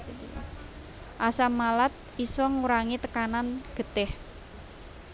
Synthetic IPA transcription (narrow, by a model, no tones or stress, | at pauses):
ʔasamalat̪̚ | isɔŋuɾaŋit̪əkananɡ̥ət̪ɪh